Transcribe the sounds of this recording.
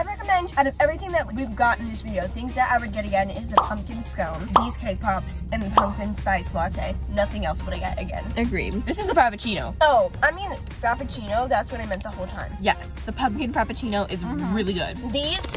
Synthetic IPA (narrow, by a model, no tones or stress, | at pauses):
ɪɹɛkəmɛ̃ndɨ̃nɨɛvɹiθɪ̃ŋðɨt̚wivɡɑɾ̃n̩ðɪsvɪɾioʊθɪ̃ŋzðɨɾʔa̰ɪwɨd̚ɡɛɾɨɡɛ̃nɪzɨpʰʌ̃m̚kɨ̃nskõʊ̃nðiz̥kʰeɪk̚pʰɑps | ɨ̃nðɨpʰʌ̃mkɨ̃nspaɪsflɑtʰḛɪnʌθɪ̃ŋɛlˠswəɾɨɪɡɛ̰ɾɨ̰ɡɛ̰̃nʔɨɡɹḭðɪsɨzəpʰɹ̥æpɨt͡ʃʰĩnoʊoʊaɪmĩn | pʰɹ̥æpɨt͡ʃʰĩnoʊðætswɨ̃naɪmɛ̃n̚ðəhoʊlˠtʰãɪ̃mjɛsðɨpʰʌ̃mkɨ̃nkʰɹ̥æpɨt͡ʃʰĩñoʊʔɨzɹɪlˠiɡʊ̰d̥̚ðiz̥